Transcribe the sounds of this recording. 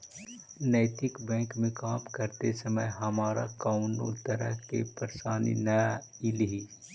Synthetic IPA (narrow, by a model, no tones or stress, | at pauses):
nɛːt̪ɪkbɛ̃ːŋkmẽkaːmkɐɾt̪esɐməjɦɐmaːɾa̰kaʊno̰t̪ɐɾə̰ɦkḛpɐɾʃaːnḭna | iliɦi